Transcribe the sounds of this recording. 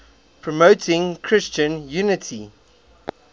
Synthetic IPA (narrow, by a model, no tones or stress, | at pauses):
pʰɹɔmoʊtʰɪ̃ŋkʰɹ̥ɪst͡ʃə̃njuːnɪtʰi